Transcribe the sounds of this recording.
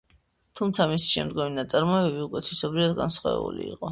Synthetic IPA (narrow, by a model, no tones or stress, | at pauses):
t̪ʰumt̪sʰamisi̥ʃɛ̰md̪ɡɔminat̪sʼaɾmɔɛbɛbiukʼwɛt̪ʰisɔbɾivad̪ɡa̰nsχɔ̰ɛ̰bṵlḭiqʼɔ